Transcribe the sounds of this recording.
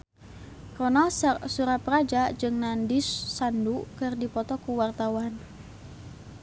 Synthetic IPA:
rɔnalssuɾapəɾad͡ʒad͡ʒɨŋnandisːandukɨrdipɔt̪ɔkuwart̪awan

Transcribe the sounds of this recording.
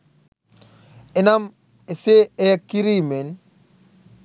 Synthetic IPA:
enam | eseeakːiɾimen

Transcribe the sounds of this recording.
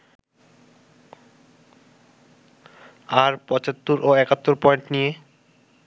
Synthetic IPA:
aɾpɔt͡ɕat̪ːoɾʔoɛkat̪ːoɾpɔeɳʈnije

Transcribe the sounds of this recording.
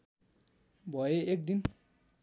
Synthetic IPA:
bɔjeʔek̚din

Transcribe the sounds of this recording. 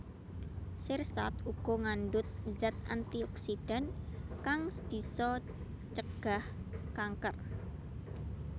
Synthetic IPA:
sɪrsa̰t̪uɡ̥ɔ̤ŋanɖʊt̪̚zɛt̪a̰nt̪iɔksiɖ̥ankaŋsb̥i̤sɔ | t͡ʃəɡ̥a̤hkaŋkər

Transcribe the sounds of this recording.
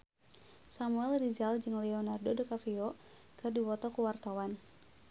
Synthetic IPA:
samuɛldid͡ʒald͡ʒɨŋlɛɔnardodokafiɔ | kɨrdiwɔt̪ɔkuwart̪awan

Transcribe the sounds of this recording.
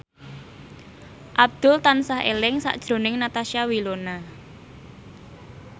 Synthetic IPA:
ʔab̚d̪̥ʊlt̪ansahʔḛlɪŋsa̰ʔd̥ʒ̥ɾo̤nɪŋnat̪aʃiawilona

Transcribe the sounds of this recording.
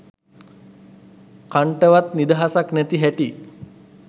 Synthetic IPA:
kaɳʈəʋat̪nid̪aɦasaknɛt̪iɦɛʈi

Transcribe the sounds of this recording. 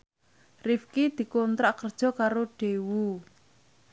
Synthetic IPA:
rifkid̪̥i̤kɔnt̪ɾaʔkərd̥ʒ̥ɔ̤kaɾoɖ̥ewu

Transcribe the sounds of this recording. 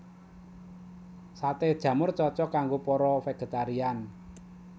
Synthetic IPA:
sat̪ed̥ʒ̥ä̤mʊrt͡ʃɔt͡ʃɔkaŋɡopɔɾɔfeɡ̥e̤t̪aɾian

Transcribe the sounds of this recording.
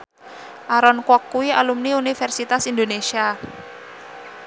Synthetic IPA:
ʔaɾɔnkwɔkːuwialumniunifɛrsit̪asind̪onesia

